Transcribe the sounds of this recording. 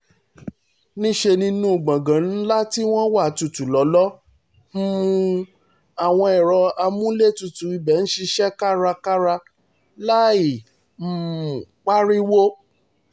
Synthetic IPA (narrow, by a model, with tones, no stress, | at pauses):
nĩ˦ʃe˧nĩ˧˦nũ˦˨ɡ͡bã˨ɡã˨n̩˦la˦ti˦w̃ɔ̃˦wa˦˨tu˧tu˨lɔ˨˦lɔ˦ | ũ˧ | a˨w̃ɔ̃˧ɛ˨ɾɔ˧a˧mũ˦le˦˨tu˨tu˨i˧bɛ˨n̩˦ʃi˧ʃɛ˦ka˦ɾa˧ka˦ɾa˧ | la˦i˨ | m̩˦˨k͡pa˦ɾi˦wo˦